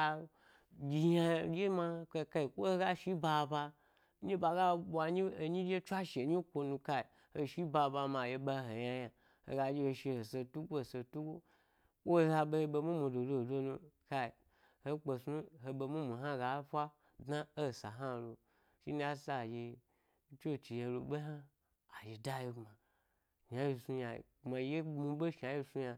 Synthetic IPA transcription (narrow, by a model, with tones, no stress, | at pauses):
a˧ | ɡʲi˨ja˧ja˧˨ɡʲe˦ma˧˦ke˧ka˧i˨kʷo˦ho˦ɡa˦ʃi˦ba˧ba˧ | ɲi˦ba˧ɡa˦bʷa˧ɲi˦o˧ɲi˦d͡ʒʲe˦t͡ʃʷa˦ʃe˨ɲi˦kʷo˧nũ˧ka˧i˨ | ho˧ʃi˦ba˧ba˧ma˨je˧ba˧˨ɦo˨ja˧ja˨ | ho̰˨ɡa˧d͡ʒi˦ho˧ʃe˧ho˨se˧tu˦ɡʷo˦o˨se˧tu˦ɡʷo˦ | kʷo˦za˧be˧be˧mũ˦mũ˧do˨do˧˨do˦nũ˧ka˧i˨ | ho˦k͡po˧su˦ɦo˧be˧mũ˦mu˨ɦa˦˨ɡa˨˦fʷa˦ | dna˦o˦˨sa˨ɦa˦˨˧lo˧ | ʃi˦ni˦a˦sa˦˨ʒe˧˦ | t͡ʃo˦˨t͡ʃi˨jẽ˧lo̰˨be˦ɦa˦ | a˨ʒe˨da˦ji˧ma˨ | ʃa˨ji˧su˧ja̰˧˨ma˨˦je˦mu˧bo˦ʃa˨ji˧su˧ja˧